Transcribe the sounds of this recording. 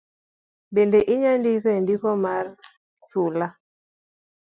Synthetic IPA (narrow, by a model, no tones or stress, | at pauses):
bendeʔiɲandikendikɔmar | sula